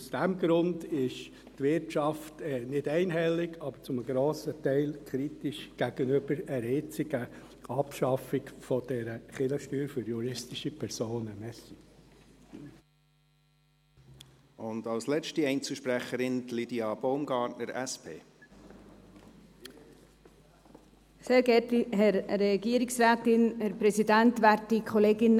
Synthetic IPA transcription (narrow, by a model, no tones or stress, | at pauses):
usd̥ɛmɡɾʊndɪʃ | tʋɪɾtt͡ʃɑftɛnɪdɛɪnɦɛlːɪɡʰɑb̥əɾt͡sʊməɡɾoːsətɛɪlkʰɾitɪʃɡ̥æɡənʏb̥əɾəɾɪt͡sɪɡə | ɑpʃɑfɪkfɔd̥ɛɾəχɪləʃtyːɾfʏɾjuɾɪstɪʃipʰɛɾsoːnəmɛsi | ʔʊndɑlslɛt͡ʃtiɛɪnt͡sl̩ʃpɾæχəɾɪnlidiɑb̥oʊmɡɑːtnəɾæspʰḛː | seːɾɡɛtiɦɛɾɾɛɡiːəɾɪksraːtɪnhɛɾpɾɛsidæntʋæɾt̚dikʰoleːɡɪn